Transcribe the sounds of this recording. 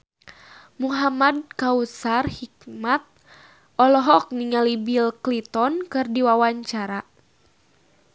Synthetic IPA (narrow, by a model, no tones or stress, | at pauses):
muɦamad̚kausarhik̚mat̪̚ | ʔɔlɔɦɔk̚niŋalibilklit̪ɔnkɨrdiwawaɲt͡ʃaɾa